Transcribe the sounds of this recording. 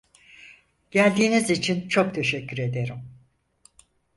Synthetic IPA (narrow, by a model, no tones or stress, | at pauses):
ɟ̥ælʲd̪iːnizit͡ʃʰint͡ʃʰo̞k̚t̪ʰe̞ʃɛcʰːyɾe̞d̪e̞ɾim